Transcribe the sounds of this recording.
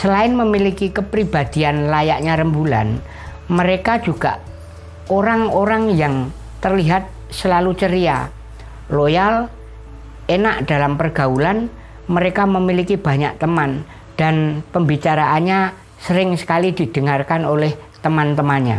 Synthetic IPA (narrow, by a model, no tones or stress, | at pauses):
səlaɪnməmilikikəpɾib̥ad̪̥i̤anlajaʔɲaɾəmbula̰n | məɾekḁd͡ʒ̥uɡ̥a̰ʔ | oɾaŋoɾaŋjaŋ | t̪ərliɦat̪̚ | səlalut͡ʃəɾia̰ | lojal | enaʔd̪̥alampərɡ̥a̤ulan | məɾekaməmilikib̥a̤ɲaʔt̪əman | d̥anpəmbit͡ʃaɾaʔanɲa | səɾɪŋsə̥kalid̪̥i̤d̪̥ə̤ŋarkanolɛht̪əmant̪əmanɲa̰